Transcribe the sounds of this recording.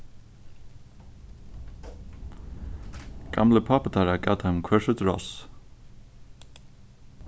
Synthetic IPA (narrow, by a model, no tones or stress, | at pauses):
ɡ̥ɑ̰mləpʰɑpət̪ʰɑɾɑɡɑt̪hɛmkʰwɛʃət̪ɹɔ̰s